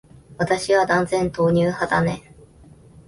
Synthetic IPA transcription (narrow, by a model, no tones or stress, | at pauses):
βat̪aɕiβad̪ãnd͡zẽ̞nt̪o̞ːɲ̟ɨːhad̪ane̞